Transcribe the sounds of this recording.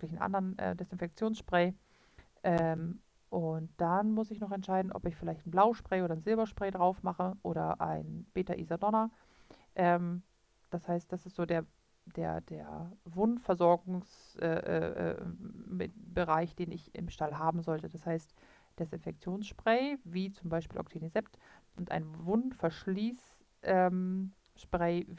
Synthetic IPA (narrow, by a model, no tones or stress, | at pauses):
vklɪçn̩ʔa̰ndəʁənʔɛ̰ːdɛsɪnfɛk̚t͡sjoːnsʃpʁ̥ɛː | ʔɛm | ʔʊnt̚d̥anmʊsɪçnɔχɛntʃaɪdn̩ʔɔ̰pɪçfɪlaɪçtn̩blaʊʃpʁ̥ɛːʔoːɾɐnzɪlbɐʃpʁ̥ɛːdʁaʊfmaχəʔoːɾɐ̰ʔa̰ɪnb̥eːtaʔḭːzadɔna | ʔɛːm | d̥ashaɪst̚d̥asɪstz̥oːdeːɐ | d̥ḛːɐd̥ḛːɐvʊntfɛɐzɔɐɡʊŋsʔɛ̰ːʔɛ̰ːʔɛ̰ː | bəʁaɪçd̥eːnɪ̰çɪ̰mʃtalɦaːbm̩zɔltəd̥ashaɪst | d̥asɪnfɛk̚t͡sjoːnsʃpʁ̥ɛɪviːt͡sʊmbaɪʃpiːlʔɔ̰ktʰiːnizɛptʔʊntʔa̰ɪnvʊntfɛɐʃliːs | ʔɛːm | ʃpʁ̥ɛː